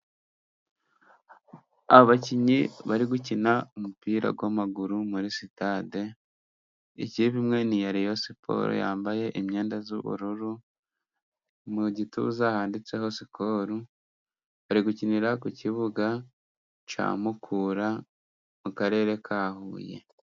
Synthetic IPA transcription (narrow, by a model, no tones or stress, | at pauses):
aβoβaciɲiβaɾiɡucinaumupiːɾa̰ɡwamaɡuɾumuɾisitade̞ | ḭciβimŋe̞nijaɾijo̞sipʰo̰ɾṵja̰ːmbaje̞ʔimɲe̞ːndazṵβṵɾuɾu | muɟitṵzahaːndit͡se̞ho̞sipʰo̞ɾu | βaɾiɡuciniɾakuciβuɡa | t͡ʃa̰ːmukʰuːɾa | mukaɾe̞ːɾe̞kʰaːhṵːje̞̰